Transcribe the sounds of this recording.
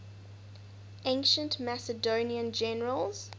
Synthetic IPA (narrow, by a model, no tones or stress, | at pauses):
ʔẽŋkʃə̃ntmæsədoːniə̃nd͡ʒɛnəɹəlˠz̥